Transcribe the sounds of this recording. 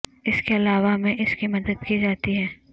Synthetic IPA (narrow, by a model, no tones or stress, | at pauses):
ɪskeɐlaːʋamẽʔɪskimɐd̪əd̪kid͡ʒaːt̪iɦɛː